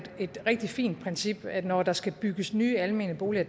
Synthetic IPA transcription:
e̝d̥ʁeɡ̥̚d̥ifḭːnd̥̚pʰʁɛnsib̥ædnɒd̥ɑ̈sɡ̥æb̥yɡ̥əsnyːælme̝nəb̥o̝ːliɐ̥

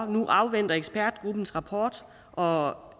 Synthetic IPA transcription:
nuʔɑ̈ʊʋen̰d̥ɐeɡ̥sb̥æɐd̥ɡ̥ʁub̥n̩sʁɑ̈pʰɒ̰ːd̥ | ʔɒ̽

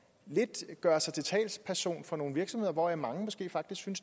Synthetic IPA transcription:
le̝d̥ɡ̥ɶːɐsɑ̈ɪt͡sʰe̝lt͡sʰɛ̰ːlspʰæɐɕo̝̰ːnfɒ̽no̝ːn̩ʋiɐɡ̥sɒ̽mhe̝ðˠɐʋɒ̰jɑ̈mɑ̈ŋəmɒ̽sɡ̥e̝̰ːfɑ̈ɡ̥d̥isɡ̥syns

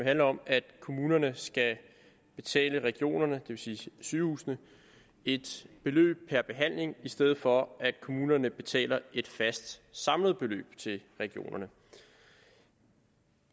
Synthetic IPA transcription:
eɦænɒ̽mæd̥kʰo̝muːnɐnəsɡ̥æ | b̥e̝t͡sʰɛ̰ːləʁɛɡ̥io̝̰ːnɐnəd̥e̝ʋe̝siːsyːhṵːsnə | e̝d̥b̥e̝lø̰ːb̥̚pʰæɐb̥e̝ɦæn̰le̝ŋisd̥eð̞̩ˠfɒ̽æd̥̚kʰo̝muːnɐnəb̥e̝t͡sʰɛ̰ːlɐe̝d̥fæsd̥sɑ̈mləð̞ˠb̥e̝lø̰ːb̥t͡sʰe̝lʁɛɡ̥io̝̰ːnʔɐnə

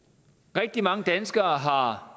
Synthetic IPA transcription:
ʁɛɡ̥̚d̥imɑ̈ŋəd̥ænsɡ̥ɐːɦɑ̈

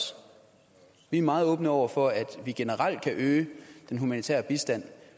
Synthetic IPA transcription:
ʋiæɐmɑ̈ːð̞̩ˠɔ̽ːb̥nəɒʊ̰ɐfɒæd̥ʋiɡ̥e̝nəʁɑl̰d̥̚kʰæʔøːd̥enɦumænit͡sʰḛɐb̥isd̥æn̰

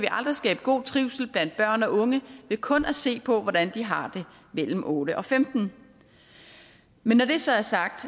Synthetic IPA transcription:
æʋiʔɑ̈ld̥ʁisɡ̥ɛːb̥ɡ̥o̝̰ːt͡sʰʁiʊsl̩b̥læn̰d̥b̥ɶɐ̰nɒ̽ʔɔ̽ŋəʋe̝kʰɔ̽nʔæse̝̰ːpʰɒ̽ʋɒɾænd̥iɦɑ̈d̥e̝ | mel̰m̩ʔɔːɾ̥əʔɒ̽femd̥n̩ | menːɒd̥e̝sɒ̽æɐsɑ̈ɡ̥̚d̥

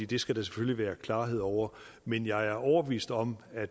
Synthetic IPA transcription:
ḭːd̥e̝sɡ̥æɾ̥æse̥føliʋæːɐkʰlɑ̈ːɦe̝ð̞̰ˠɒʊ̰ɐ | menjɑ̈ɪæɐʔɒʊɐb̥e̝ʋḭːsd̥ɒ̽mæ̥

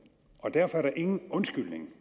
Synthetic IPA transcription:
ʔɒ̽d̥æɐfɒ̽æɐɾ̥ɑ̈ʔe̝ŋn̩ɔ̽nsɡ̥yl̰ne̝ŋ

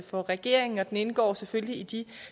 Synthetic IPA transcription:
fɒ̽ʁɛɡ̥e̝̰ɐe̝ŋn̩ɒ̽d̥ene̝nəɡ̥ɒ̰ːsefølliid̥i

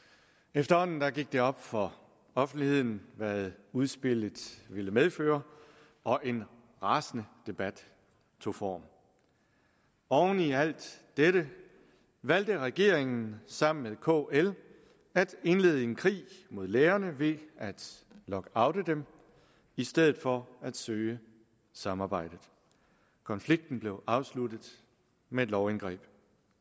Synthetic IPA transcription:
efd̥ɐhɒ̽n̰n̩d̥ɑɡ̥iɡ̥̚d̥e̝ɒ̽b̥fɒ̽ | ɒ̽fn̩d̥lihe̝ð̰ˠn̩ʋæðˠuð̞ˠsb̥e̝l̰ð̥ˠʋe̝ləmeð̞ˠføːɐ | ɒ̽ʔe̝n | ʁɑ̈ːsnəd̥e̝b̥æd̥ | t͡sʰo̝fɒ̰ːm | ɒʊniæl̰d̥ː | eɾə | ʋæl̰d̥əʁɛɡ̥e̝ɐ̰eŋn̩sɑ̈m̰n̩meðˠkʰo̰el | æd̥e̝nle̝ːðˠəe̝nkʰʁḭːmo̝ð̞̰ˠleːɐnəʋe̝æd̥lɒ̽ɡ̥ɑ̈ʊd̥əd̥em | isd̥eð̞̰̩ˠfɒ̽æd̥søːə | sɑ̈mɑ̈ːb̥ɑ̈ɪ̰d̥ð̩ˠ | kʰɒ̽nfliɡ̥̚d̥n̩b̥le̝ʊʔɑ̈ʊslud̥ð̩ˠ | meed̥lɒʊenɡ̥ʁɛ̰ːb̥

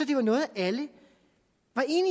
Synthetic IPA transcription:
ɒd̥e̝ʋɑ̈nɔ̽ːð̩ˠʔælə | ʋɑ̈ʔe̝ːni

